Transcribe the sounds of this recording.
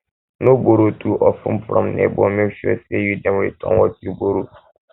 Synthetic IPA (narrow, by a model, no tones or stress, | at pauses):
nõboɾotʰuʔɔfʊ̰̃mfɾɔ̰̃mnḛbɔmẽʃuɛsɛjudɛ̃mwḛtʰɔ̰̃nwɔtjuboɾo